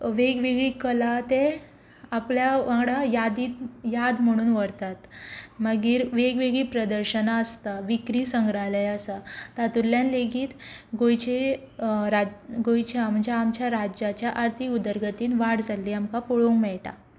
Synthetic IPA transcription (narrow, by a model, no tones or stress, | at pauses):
ʋeɡʋeɡɭiːkəlat̪e | apljaʋãŋɡɽajad̪iːt̪jad̪m̤əɽ̃uːnʋəɾt̪at̪məɡiːɾʋeɡʋeɡɭiːpɾəd̪əɾɕənaəst̪aʋikɾiːsəŋɡɾaləjəsat̪at̪ulːjanleɡiːt̪ɡojt͡ɕe | ɾaɡojt͡ɕeamd͡ʑjaːmt͡ɕjaɾad͡ʑat͡ɕjaʔaɾt̪ʰiud̪əɾɡət̪iːnʋaɽd͡zalːiːamkapoɭoŋɡmɛɭʈa̰